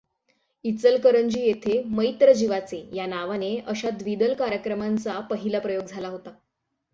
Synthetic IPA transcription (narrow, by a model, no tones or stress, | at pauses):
it͡səlkəɾəɲd͡ʑiːjet̪ʰeməjt̪ɾəd͡ʑiʋat͡sejanaʋaneəɕad̪ʋid̪əlkaɾjəkɾəmant͡sapəɦilapɾəjoɡd͡zʱalaɦot̪a